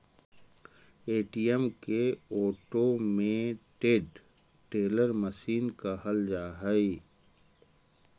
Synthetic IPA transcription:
eːʈijɛmkeoːʈomẽʈeːɖ | ʈeːləɾməʃiːnkahɐld͡ʒaːɦai

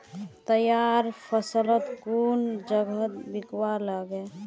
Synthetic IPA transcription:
t̪əjaɾpʰəsələt̪kund͡ʒəɡʱət̪bikwaləɡe

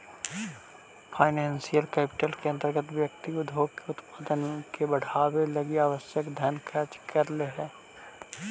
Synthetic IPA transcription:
pʰaːɪnɛ̃ːnsijəlkɛːpɪ̥ʈəlkeɐ̃nt̪əɾɡət̪ʋjəkt̪iʊd̪ʱoːɡkeʊt̪pad̪ənkebɐɽ̤aːwelɐɡeaːʋəsjəkd̪ʱjənkʰɛːt͡ʃkʰɐɾleɦɛː

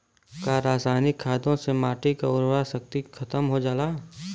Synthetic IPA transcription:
kaːɾaːsaːnɪkʰːaːd̪õsemaːʈikaʊɾwaʃək̚t̪ikʰɐt̪əmɦod͡ʒaːlaː

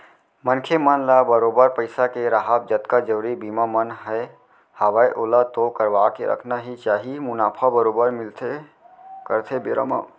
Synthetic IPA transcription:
mənkʰemənlabəɾoːbəɾpəɪsakeɾaɦəb̚d͡ʒət̪kad͡ʒəɾibiːmamənɦɛ | həʋajʔoːlat̪okəɾʋakeɾə̰kʰnaɦit͡ʃaːɦimʊnaːpʰabəɾoːbəɾmɪlt̪ʰe | kəɾt̪ʰebeɾə̰ma̰

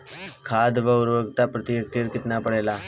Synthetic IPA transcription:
kʰaːd̪ʋəʊɾʋəɡt̪apɾət̪ɪjək̪̚əɾkɪt̪napəɽeːlaː

